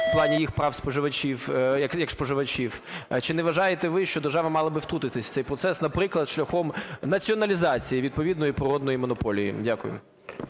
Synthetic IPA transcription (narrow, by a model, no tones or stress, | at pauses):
plˠɑnʲijixpɾɑwspɔʒɪʋɐt͡ʃʲifjɐkjɐkspɔʒɪʋɐt͡ʃʲiwt͡ʃɪnɛʋɐʒɑjet̪ɛʋɪʃt͡ʃɔd̪erʒɑʋɐmɑlˠɐbɨɪft̪ɾut̪ɪt̪ɪsʲt̪sɛjpɾɔt̪sɛsnɐpɾɪklˠɐd̪ʃlʲɐxɔmnɐt͡sʲiɔnɐlʲizɑt͡sʲijiʋʲid̪̚pɔʋʲid̪nɔjipɾɪɾɔd̪̚nɔjimɔnɔpɔlʲijḭdʲakʊjʊ̰m